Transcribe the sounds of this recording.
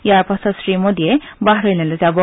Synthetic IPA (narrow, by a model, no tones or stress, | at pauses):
jaɾpasasɾiːməd̪ʱijebaɦɾəjlelat̪jabɔ